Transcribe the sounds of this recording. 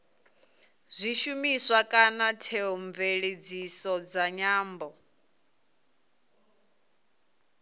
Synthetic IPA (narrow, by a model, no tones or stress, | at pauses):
zʷiʃumisʷakʼanatʰeɦɔɱveɺed͡zisɔd͡zaɲaːmbɔ